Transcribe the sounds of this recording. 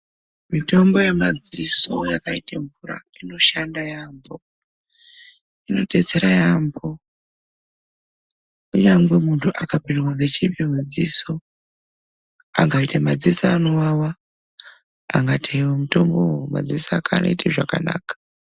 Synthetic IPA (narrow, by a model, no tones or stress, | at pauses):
mito̞mbo̞je̞mad͡ziso̞jakaiteɱvuɾa̰ino̞ʃandajambo̞ | ino̞ɗe̞t͡se̞ɾajambo̞ | uɲamɡwe̞muntʰuʔakapinwad͡zet͡ʃipimud͡ziso̞ | aŋɡaitamad͡zisaːno̞wawa | aŋɡatʰewomito̞mboma̰d͡zisaakʰano̞̰iteʐaka̰na̰ːkḁ